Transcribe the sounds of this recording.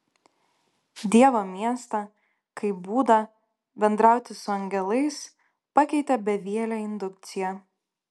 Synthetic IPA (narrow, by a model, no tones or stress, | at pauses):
d̪ʲiɛʋoːmʲiɛst̪ɐ | kɐɪbuːd̪ɐ | bʲɛnd̪ɾɑˑʊt̪ʲɪsʊɐŋʲɡʲɛlˠɐɪs | pɐkʲɛɪt̪ʲɛbʲɛʋʲiɛlʲɛɪnd̪ʊk̚t̪sʲɪjɛ